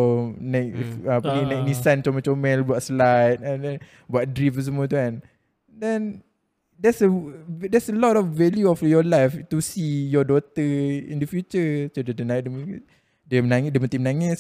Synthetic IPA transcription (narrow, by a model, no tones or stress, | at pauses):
nɛk̚apəninɛk̚nisant͡ʃomɛ̃t͡ʃomɛ̃lbuat̪̚slat̪̚ãndɛn | buat̪̚dɾifus̬əmuət̪̬ukan | dɛ̃n | dɛsədɛsəlɔtɔfvɛljuɔfjɔlajft̪usijɔdot̪əḭndəfjut͡ʃəsodədənadm | diəmənaŋdiəmənt̪imənaŋɪs